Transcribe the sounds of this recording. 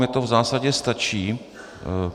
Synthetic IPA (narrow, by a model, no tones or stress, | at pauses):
ɛt̪ovzaːsaɟɛst̪at͡ʃiː